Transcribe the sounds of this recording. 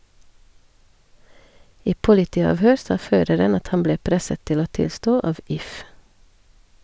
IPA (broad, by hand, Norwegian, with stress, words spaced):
ˈiː ˈpʊlɪtiːɑːʋˌhøːɾ ˈsɑː ˈføːɾəɾən ˈɑt ˈhɑm ˈbleː ˈpɾɛsət ˈtɪl ˈoː ˈtɪlˌstoː ˈɑʋ ˈɪf